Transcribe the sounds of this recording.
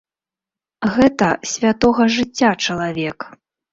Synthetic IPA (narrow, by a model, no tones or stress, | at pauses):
ɣɛt̪ɐsʲvʲat̪ɔɣɐʐɨt͡sʲːat͡ʂɐlˠavʲɛk